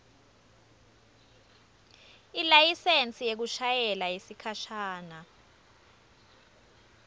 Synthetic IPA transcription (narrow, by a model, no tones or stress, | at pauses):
ilajisent͡sʼijek̬uʃajɛlajisikʰaʃaːna